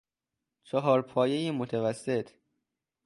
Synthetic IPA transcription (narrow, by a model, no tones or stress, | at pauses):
t͡ʃʰɒɦɒːɾpʰɒːjejimot̪ʰevæsːet̪ʰ